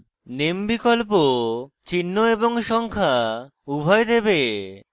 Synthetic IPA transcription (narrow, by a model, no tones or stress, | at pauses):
nembikolpot͡ɕinːoeboŋʃɔŋkʰa | ubʱɔjd̪ebe